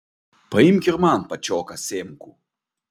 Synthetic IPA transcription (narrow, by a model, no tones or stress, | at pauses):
pɐimkʲirmanpɐt͡ʃɔkɐsʲemku